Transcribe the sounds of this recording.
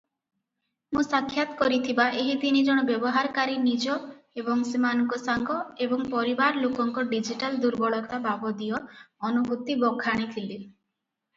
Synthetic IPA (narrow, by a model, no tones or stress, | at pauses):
mũsakʰːjat̪kɔɾit̪ʰibaʔeɦid̪inid͡ʒɔɽ̃ɔbjɔbɔɦaɾkaɾinid͡ʒɔebɔŋsemanɔŋkɔsaŋɡɔebɔŋpɔɾibaɾlokɔŋkɔɖid͡ʒiʈald̪uɾbɔɭɔt̪ababɔd̪ijɔɔnubʱut̪ibɔɡʰʱaɽ̃it̪ʰili